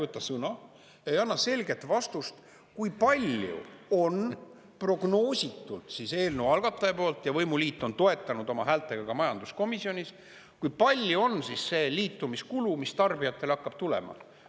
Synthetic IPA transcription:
vɤt̪ːˑɑsɤnɑ | e̞jɑnːɑse̞lʲɡe̞t̪vɑst̪ust̪ | kujpɑlʲjṵo̞n | pro̞ɡ̥no̞ːsʲit̪ːˑult̪sise̞ːlnewɑlɡ̥ɑt̪ːˑɑepo̞ːlt̪jɑvɤjmuliːt̪ːˑo̞nt̪o̞e̞t̪ːˑɑnud̪o̞mɑɦæːlt̪ːˑeɡ̥ɑɡ̥ɑmɑjɑnd̪̥usko̞misio̞nʲis | kujpɑlʲːjuo̞nsisːe̞ːliːt̪ːˑumiskulumist̪ɑrbijɑt̪ːˑe̞lɑkːɑb̥̚t̪ule̞̰mɑ̰

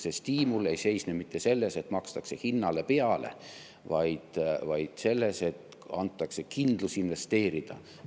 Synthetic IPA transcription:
sest̪iːmule̞jse̞jsnemit̪ːese̞lːe̞se̞t̪mɑkst̪ɑkse̞hinːɑle̞pe̞ɑle̞̰ | vɑjd̪̥vɑjd̪̥se̞lːe̞se̞t̪ | ɑnt̪ːˑɑkse̞kind̪̥lusinve̞st̪e̞ːɾid̪̥ɑ̰

